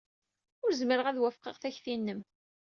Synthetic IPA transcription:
ʊɾzməɾəʁæðwæfqəʁθæçθinːəm

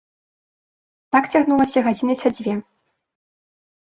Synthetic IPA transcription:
t̪akt͡sʲaɣnulˠɐsʲɐɣad͡zʲinɨsad͡zʲvʲɛ

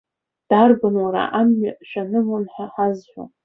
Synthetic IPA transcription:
d̥arɡɨnwaɾa̰ʔamːaʔʃʷᶣanɨmonħaħazħʷo̰

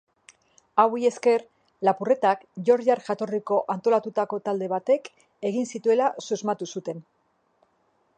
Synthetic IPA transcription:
awie̞ske̞ɾ | lapure̞t̪akʝo̞ɾʝaɾʝat̪o̞riko̞ʔant̪o̞lat̪ut̪ako̞t̪ald̪e̞βat̪e̞k | e̞ɣinsit̪ue̞lasuzmat̪usut̪e̞n

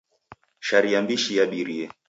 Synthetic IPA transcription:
ʃaɾiambiʃijaɓiɾiɛ

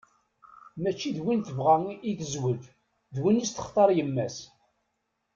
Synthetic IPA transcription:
mæt͡ʃːiðwinθəvʁæiθəzwəð | ðwinist̪ə̥χt̪ˤɑɾˤjəmːæs

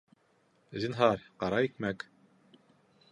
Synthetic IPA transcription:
zinɦɑɾqɑɾɑik̚mæk

